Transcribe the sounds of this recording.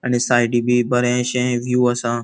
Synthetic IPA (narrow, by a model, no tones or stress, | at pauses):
ənesaːɪɖiːbiːbəɾẽːʃẽʋjuːəsãː